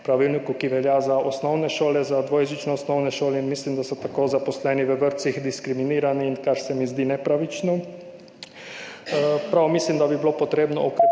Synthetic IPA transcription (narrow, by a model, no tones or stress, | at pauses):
pɾaʋilnikukiʋɛljazaʔosnɔwnɛʃoːlɛzad̪ʋojʒit͡ʃnɛɔsnɔwnɛʃoːlɛinmislimd̪asɔt̪akoːzaposlɛniʋəʋəɾt̪sixd̪iskɾiminiːɾaniːnkaɾsɛmizd̪inɛpɾaʋit͡ʃnɔ | pɾawmislimd̪abibilopot̪ɾeːbnɔ̰ʔɔkɾ